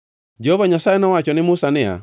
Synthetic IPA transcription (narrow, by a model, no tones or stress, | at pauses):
d͡ʒɛhɔvaɲasaɛnawat͡ʃɔnɪmusanɛa̰